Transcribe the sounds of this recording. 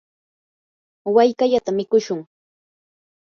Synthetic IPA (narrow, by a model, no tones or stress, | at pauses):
wajkaʎat̪amɪkʊʃʊŋ